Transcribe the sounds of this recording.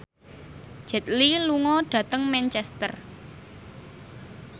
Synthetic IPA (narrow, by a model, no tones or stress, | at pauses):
ʒ̥ɛ̤t̪̚liluŋɔɖ̥ä̤t̪əŋmɛnt͡ʃɛst̪ər